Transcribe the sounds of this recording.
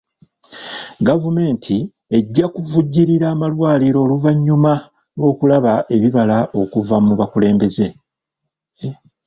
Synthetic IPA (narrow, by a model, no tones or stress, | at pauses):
ɡavume̞ːntʰi | e̞ɟːakuvuɟːiɾiɾaːmalwaːliɾo̞ːluvaɲːuma | lwo̞ːkulaβaʔe̞βiβalaʔo̞kuvamuβakule̞ːmbe̞ze̞